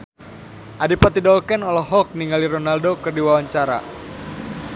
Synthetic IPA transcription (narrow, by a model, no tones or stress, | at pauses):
ʔadipat̪idɔlkɛnɔlɔɦɔk̚niŋɡaliɾonaldokɨrdiwawaɲt͡ʃaɾa̰